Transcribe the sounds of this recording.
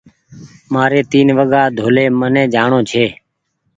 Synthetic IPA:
maːɾeːt̪iːnʋəɠaːd̪ʱoːleːmənẽːd͡ʒaːɳoːt͡ʃʰeː

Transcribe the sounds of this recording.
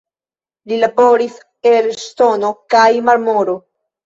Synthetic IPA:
lilabo̞ɾis | eɾst̪o̞no̞kajmaɾmoɾo

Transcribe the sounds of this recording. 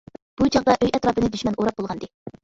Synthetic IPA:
b̥ut͡ʃʰɑʁd̪ɑʔøjɛt̪ɾɑːbɨnɪd̪yʃmɛnʔoɾɑp̚bolˠʁɑnd̪ɨ

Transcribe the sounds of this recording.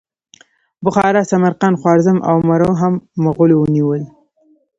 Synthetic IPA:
bʊxɑɾasamaɾqanxwɑɾzəmʔa̰wmaɾoɦamːaɣʊlowəniwəl

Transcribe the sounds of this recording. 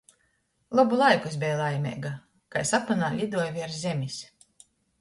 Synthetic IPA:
lˠɔbulˠajkuesbʲɛjlˠajmʲɛ̰ːɡa | kajsapanaːlʲid̪uɔjvʲiaɾzʲɛmʲisʲ

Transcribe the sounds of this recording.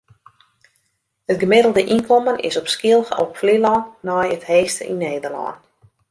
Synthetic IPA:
ətɡəmɪdəlˠdəʔinkʰɔmənɪ̰sɔpskɪəlˠɣəɔpflilɔnːɔjətheːstə̰ʔḭnːeːdərlɔ̰n

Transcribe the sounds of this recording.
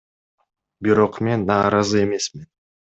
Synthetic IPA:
biɾo̞qme̞nːɑːɾɑzɯe̞me̞smin

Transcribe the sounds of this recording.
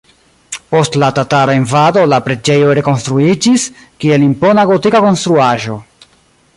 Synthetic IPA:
po̞stlatataɾaenvado̞lapɾe̞d͡ʒe̞jo̞ɾe̞ko̞nst̪ɾuid͡ʒis | kie̞limpo̞naɡo̞tikako̞nst̪ɾuaʒo̞

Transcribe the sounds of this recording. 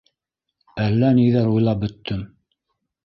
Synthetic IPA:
ælːæniðæɾujlˠɑp̚bɵ̆t̪ːɵm

